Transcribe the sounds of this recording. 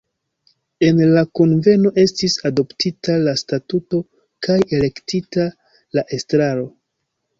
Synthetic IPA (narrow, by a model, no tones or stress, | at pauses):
e̞nlakonve̞no̞ʔe̞stisado̞ptitalastatuto̞ | kaje̞le̞ktita | laʔe̞stɾaɾo̞